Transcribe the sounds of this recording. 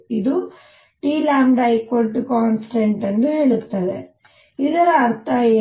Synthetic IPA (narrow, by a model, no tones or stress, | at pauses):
id̪u | ʈiːlaːmɖɐjkolʈːukaːnsʈeɳʈɐnːuɦeɭut̪ːɐd̪ḛ | id̪ɐɾɐɐɾt̪ʰɐeː